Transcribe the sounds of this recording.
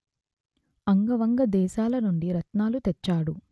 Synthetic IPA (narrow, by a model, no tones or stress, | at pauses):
ɐŋɡɐʋɐŋɡɐd̪ɛːʃaːlɐnuɳɖiɾɐt̪naːlut̪ɛt͡ʃːaːɽu